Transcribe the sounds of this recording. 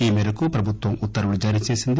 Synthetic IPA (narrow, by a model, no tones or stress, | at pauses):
iːmɛːɾɐkupɾɐbʱut̪ʋɐmut̪ːɐɾɐɽud͡ʒaːɾijɐt͡ʃeːsind̪